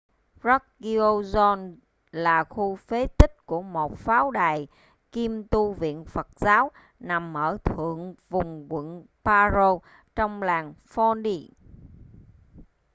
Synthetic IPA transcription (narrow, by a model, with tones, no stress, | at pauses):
zɔ˦˥k̚ɣi˧o˧zɔ˧n | laː˨˩xu˧fe˨˦t̪ï˦˥k̟̚ku˧˩əmo˨˩t̚faː˨˦wɗaː˨˩j | ki˧mt̪u˧vḭ˧˨ənfə˨˩t̚zaː˨˦w | na˨˩mʔəː˧˩t̪ʰɨ̰˧˨əŋvʊ˨˩ŋ͡mkwḭ˧˨n | paː˧zo˧ | t͡ɕɔ˧wŋ͡mlaː˨˩ŋfɔ˧nɗi˧